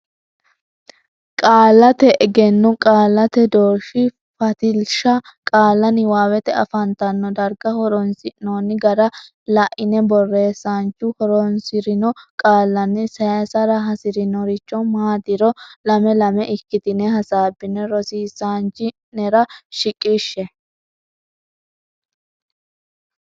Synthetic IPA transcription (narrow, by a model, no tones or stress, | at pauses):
kʼaːlːɐt̪ɛʔɛɡɛnːʊkʼaːlːɐt̪ɛd̪oːʃɪ | fɐt̪ɪlʃɐkʼaːlːɐnɪwaːwɛt̪ɛɐ̰fɐnt̪ɐnːɔd̪ɐɾɡɐhɔɾɔnsɪnoːnːɪɡɐɾɐ | lɐʔɪnɛbɔrːe̞ːsaːnt͡ʃʊhɔɾɔnsɪɾɪnɔkʼaːlːɐnːɪsɐsɐɾɐɦɐsɪɾɪnɔɾɪt͡ʃːɔmaːd̪ɪɾɔlɐmɛlɐmɛʔɪkːɪt̪ɪnɛɦɐsaːbːɪnɛɾɔsiːsaːnt͡ʃɪ | nɛɾɐʃɪkʼːiʃːɛ